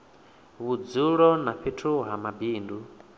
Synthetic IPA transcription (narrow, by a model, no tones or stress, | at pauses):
βud͡zuɺɔnaɸitʰuɦamabiːndu